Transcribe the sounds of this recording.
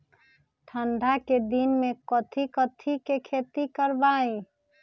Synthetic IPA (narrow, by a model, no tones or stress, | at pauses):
ʈʰəɳɖʱaked̪inmekət̪ʰikət̪ʰikekʰet̪ikəɾbaĩ